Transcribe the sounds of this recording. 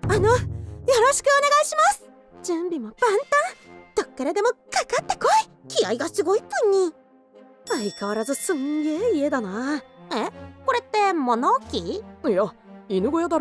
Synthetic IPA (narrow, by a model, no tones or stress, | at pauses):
anojo̞ɾo̞ɕi̥kɯ̟one̞ɡaiɕimasɨ̥ | d͡ʑɨ̃mbʲimopãnt̪ãt̪okːe̞ɾed̪e̞mo̞kakat̪ːe̞koikʲijaiɡasɨɡo̞ipɯ̃ɲ̟ːi | aikaβaɾazɨsɨ̃ŋɡe̞ːie̞d̪anaeko̞ɾe̞t̪ːe̞mo̞noːkʲijainɯ̟ɡojad̪aɾ